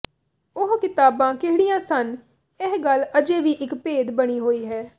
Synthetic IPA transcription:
ʊɦkɪt̪aːbãːkɪɦɽijãːsən | ɪɦɡələd͡ʒeːʋiːʔɪkpeːd̪bəɽ̃iːɦoːiːɦɛː

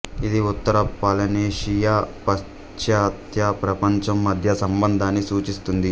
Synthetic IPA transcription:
id̪iut̪ːɐɾɐpɐlɐneːʂijaːpɐ | t͡ʃjaːt̪jɐpɾɐpɐɲt͡ʃɐmːɐd̪ʱjɐsɐmbɐnd̪ʱaːnːisuːt͡ʃist̪und̪i

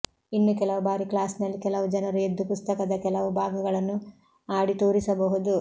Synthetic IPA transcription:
inːukɛlɐʋubaːɾiklaːsnɐlːikɛlɐʋud͡ʒɐnɐɾued̪ːupust̪ɐkɐd̪ɐkɛlɐʋubʱaːɡɐɡɐɭɐnːu | aːɽit̪oːɾisɐbɐɦud̪u

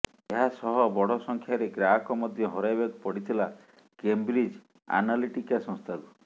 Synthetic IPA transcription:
eɦasɔɦɔbɔɽ̤ɔsɔŋkʰjaɾeɡɾakɔmɔd̪ʱjɔɦɔɾajbeɡpɔɽit̪ʰila | kembɾid͡ʒ | a̰naliʈikasɔ̃ŋst̪ʰaɡu

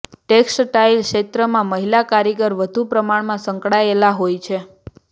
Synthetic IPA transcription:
ʈeksʈʈailkʃet̪ɾəmãməɦilakaɾjəɡəɾʋəd̪ʱupɾəmaɽmãsə̃ŋkɽaelaɦojt͡ʃʰe

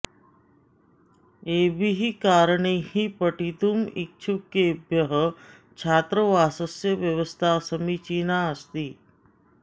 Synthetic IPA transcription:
eːbʱiɦikaːɾəɳ̃ehipəʈit̪umik̚t͡ʃʰukːebjəɦə | t͡ʃʰaːt̪ɾəʋaːsəsjəʋjəʋəst̪ʰasəmit͡ʃiːnaəst̪iː

